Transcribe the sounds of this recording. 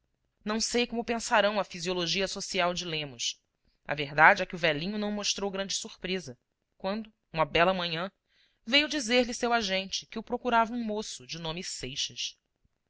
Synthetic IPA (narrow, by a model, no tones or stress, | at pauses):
nɐ̃w̃sejkõmʊpẽsaɾɐ̃w̃ɐfizioloʒiɐsosiawd͡ʒɪlẽmʊs | ɐ̰veɦd̪ad͡ʒɪɛkɪʊvɛlĩɲʊnɐ̃w̃moʃt̪ɾowɡɾɐ̃nd͡ʒɪsuɾpɾezɐ | kwɐ̃nd̪ʊ | ũmɐbɛlɐmɐ̃ɲɐ̃ | vejʊd͡ʒizeɾlɪsewaʒẽnt͡ʃɪ̥kɪʊpɾokuɾavɐũmosʊd͡ʒɪnõmɪsejʃɐʃ